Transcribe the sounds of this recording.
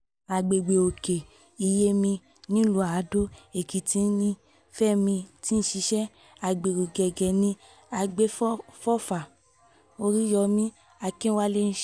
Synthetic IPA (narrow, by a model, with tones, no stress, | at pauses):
a˨ɡ͡be˨ɡ͡be˨o˨ke˨ | i˨je˦mĩ˧ | nĩ˦lu˨˦a˨˦do˦e˨ki˨ti˨˦n˦nĩ˦ | fɛ˦mĩ˧ti˦n̩˦ʃi˨˦ʃɛ˦ | a˨ɡ͡be˨o˨ɡɛ˨ɡɛ˨nĩ˧ | a˧ɡ͡be˦ffɔ˦˨fa˨ | o˧ɾi˦jɔ˧mĩ˦ | a˧kĩ˦wa˦le˦n̩˦ʃ